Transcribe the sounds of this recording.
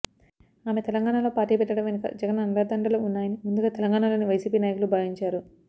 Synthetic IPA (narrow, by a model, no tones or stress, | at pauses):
aːmet̪ɛlɐŋɡaːɳalo̞ːpaːɾʈiːpɛʈːɐɽɐmʋenikɐ̰d͡ʒɐɡɐnɐnlad̪ɐɳɖɐloːunːaːjɐnimund̪uɡaːt̪eɛlɐŋɡaːɳalo̞ːniʋɐjsiːpiːnaːjɐkulubʱaːʋiɲt͡ʃaːɾu